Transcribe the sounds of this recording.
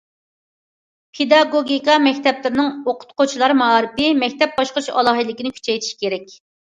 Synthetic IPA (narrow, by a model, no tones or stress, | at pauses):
pʰed̪ɑɡoɡʲikɑmɛkʲt̪ʰɛplɪɾnɨŋoqʰʊ̥t̪qʰot͡ʃʰilˠɑɾmɑɑɾɪpɪmɛkʲt̪ɛp̚bɑʃqəɾɨʃɑ̰lˠɑɦɨlɪkʲinɪkʲʰy̥t͡ʃʰɛjt̪ʰi̥ʃkʲʰeɾɛkʲ